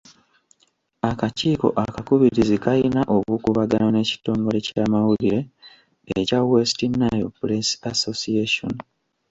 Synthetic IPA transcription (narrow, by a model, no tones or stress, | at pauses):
akaciːko̞̰ʔakakuβiɾizikajinaʔo̞βuːkuβaɡanone̞ːci̥to̞ːŋɡo̞le̞caːmawuliɾe̞ | ḛcawesi̥tinːajo̰puɾesasosieʃo̰n